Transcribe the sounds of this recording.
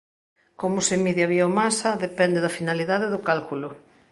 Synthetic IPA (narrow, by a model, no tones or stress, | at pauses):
komʊsemiðjaβiaomasɐðepɛnd̪eðafinaliðaðeðʊkalkulʊ